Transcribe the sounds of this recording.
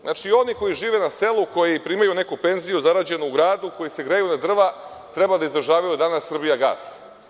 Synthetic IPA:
znat͡ʃio̞niko̞jiʒiːʋe̞nase̞lˠuko̞jipɾiːmajune̞kupe̞nzijuzaɾad͡ʑe̞nuuɡɾaːd̪uko̞jise̞ɡɾejunad̪r̩ʋa | t̪ɾe̞bad̪aizd̪ɾ̩ʒaːʋajud̪anasːr̩bijaɡa̰ːs

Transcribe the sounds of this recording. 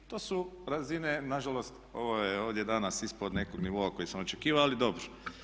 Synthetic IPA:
t̪o̞ːsuɾazinenaʒalo̞st̪o̞̰ʋojeo̞ːʋd̪jed̪anasispod̪ne̞koɡniʋo̞ako̞jisoot͡ʃekiːʋaalid̪o̞bɾo

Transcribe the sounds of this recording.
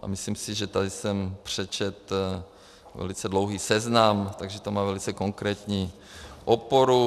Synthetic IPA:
ʔa̰misliːmsiʒɛt̪ad̪isɛmpr̝̥ɛt͡ʃɛt̪ | vɛ̰lit͡sɛd̪loʊɦiːsɛznamt̪aɡʒɛt̪omaːvɛlit͡sɛkoŋkɾɛːt̪ɲiː | ʔopoɾu

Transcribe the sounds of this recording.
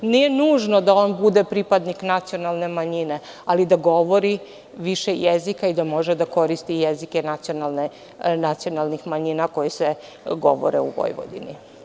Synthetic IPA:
nijenuːʒnod̪ao̞nbud̪epɾipad̪niknat̪sijonalˠne̞maɲine̞ | alid̪aɡo̞ʋo̞ɾi | ʋiʃejezikaid̪amo̞ʒed̪ako̞ɾist̪ijezike̞nat̪sio̞nalˠne | nat̪sio̞nalˠnixmaɲinako̞jise | ɡo̞̰ʋo̰ɾḛṵʋo̰jʋo̰d̪ḭnḭ

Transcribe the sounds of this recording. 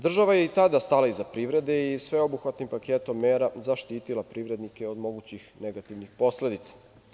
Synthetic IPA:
d̪r̩ʒaʋajeit̪ad̪ast̪alaizapɾiʋɾe̞d̪e̞isʋeo̞buxʋat̪nimpakeːt̪o̞mːeːɾazaʃt̪iːt̪ilapɾiːʋɾe̞d̪nikeo̞d̪mo̞ɡut͡ɕixneɡat̪iʋnixpo̞sle̞d̪it̪sḁ

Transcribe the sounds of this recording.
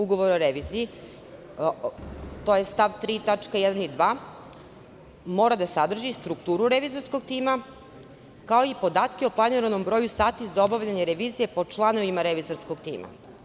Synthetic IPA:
uɡo̞ʋo̞ɾoɾeʋiːzii | t̪o̞je̞st̪aʋt̪ɾiːt̪at͡ʂkajɛd̪anid̪ʋaː | mo̞ɾad̪asad̪r̩ʒist̪ɾukt̪uːɾuɾeʋiːzo̞ɾsko̞ɡ̚t̪iːma | kao̞ipo̞d̪aːt̪keo̞plˠaniɾano̞mbɾo̞jusaːt̪izaobaʋlʎaɲeɾeʋiːzije̞po̞t͡ʂlˠano̞ʋimaɾeʋiːzo̞ɾsko̞ɡt̪ḭːma̰

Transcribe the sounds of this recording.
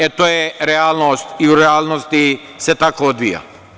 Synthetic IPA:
ɛt̪oɛɾɛalˠnost̪iuɾɛalˠnost̪i | sɛt̪akood̪vḭja̰

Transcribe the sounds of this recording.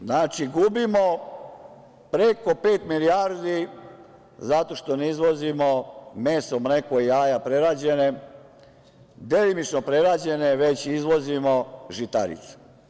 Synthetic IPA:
znaːt͡ʃiɡubimo̞ | pɾeko̞peːt̪miliaɾd̪i | zat̪o̞ʃt̪o̞neizʋo̞zimo̞meːsomnekojiaːjapɾeɾaːd͡ʑe̞ne | d̪elimit͡ʃnopɾeɾaːd͡ʑe̞neʋe̞t͡ɕizʋo̞zimoʒit̪a̰ɾḭt̪u̥

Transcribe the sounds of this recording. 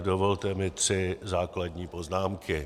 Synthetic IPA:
dovo̞lt̪ɛmɪt̪r̝̥ɪzaːkladɲiːpo̞znaːmkʰɪ

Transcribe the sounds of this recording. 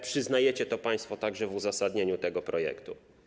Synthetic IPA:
pʂɘznajɛt͡ɕɛt̪ɔpãj̃st̪fɔt̪aɡʐɛvuzasad̪ɲeɲut̪ɛɡɔpɾɔjɛ̰kt̪ṵ

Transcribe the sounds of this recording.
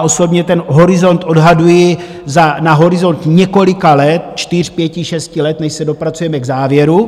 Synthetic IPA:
ʔo̞so̞bɲɛt̪ɛnɦo̞ɾɪzo̞nt̪ʔo̞dɦadujɪ | zanaɦo̞ɾɪzo̞nt̪ɲɛko̞lɪkalɛt̪t͡ʃt̪ɪr̝̥pjɛcɪʃɛscɪlɛt̪nɛʃsɛdo̞pɾat͡sujɛmɛɡzaːvjɛɾu

